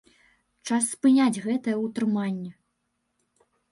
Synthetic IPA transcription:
t͡ʂasːpɨnʲad͡zʲɣɛt̪ɐjɛut̪ɾɨmanʲːɛ

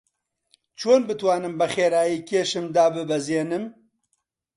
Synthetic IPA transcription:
t͡ʃʰoːnbɨt̪waːnɨmbɐxeːɾaːjiːkʰeːʃɨmd̪aːbɨbɛzeːnɨm

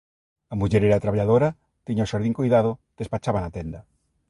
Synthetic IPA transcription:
amuʝeɾeɾat̪ɾaβaʎaðoɾa | t̪iɲaoʃaɾðiŋkujðaðod̪̥espat͡ʃaβanat̪end̪a

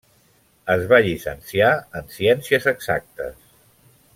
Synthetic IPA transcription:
əzβaʎisə̰nsiaənsiɛnsiəzəɡz̥a̰k̚t̪ə̰s

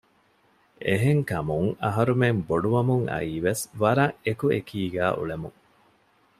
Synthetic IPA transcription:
eɦeŋkɐmuŋɐɦɐɾumemboɖuʋɐmuŋɐ̰iːʋesʋɐɾɐŋekuekʰiːɡæːʔṵɭemuŋ

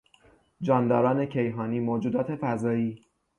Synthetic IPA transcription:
d͡ʒɒːnd̪ɒːɾɒːne̞cʰe̞jɦɒːniːmoːd͡ʒuːd̪ɒːt̪ʰe̞fæzɒːiː

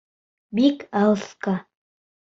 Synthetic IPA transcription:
bikalska

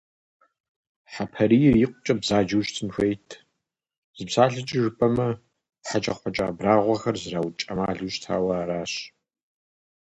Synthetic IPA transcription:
ħapʰɐɾiːjɪrjɪqʷʼʊt͡ʃʼɐbzaːd͡ʒɐwʃtʰɨnxʷejtʰ | z̥ɨbsaːɬɨt͡ʃʼɪʐɨpʼɐmɐ | ħat͡ʃʼɐ̰χʷɔt͡ʃʼa̰ːbraːʁʷɔxɐrzɨraːwt͡ʃʼɐmaːɮuːʃtʰa̰ːwɐɾaːɕ

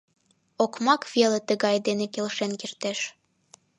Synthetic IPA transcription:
okmɑkvelet̪əɣɑjd̪enekelʃenkirt̪eʃ

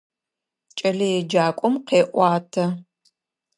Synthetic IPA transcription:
t͡ʃʼɐɮɐjɛd͡ʒaːkʷʼɔmqeːʔʷɑːtʰɐ

